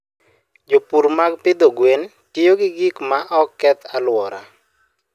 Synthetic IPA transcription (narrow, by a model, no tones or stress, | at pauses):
d͡ʒopuɾmaɡpɪd̪oɡwen | tɪjoɡɪɡikmaʔɔkːɛt̪ʰalwɔɾa̰